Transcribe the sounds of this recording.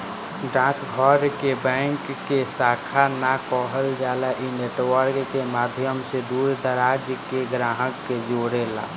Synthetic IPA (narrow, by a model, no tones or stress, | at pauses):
ɖãkʰɡʱəɾkebɛ̃ŋkːesakʰanakɔɦəld͡ʒalaʔineʈwəɾkkemaːd̪ʱjəmsed̪uɾd̪əɾad͡ʒkeɡɾaɦəkːed͡ʒoɽela̰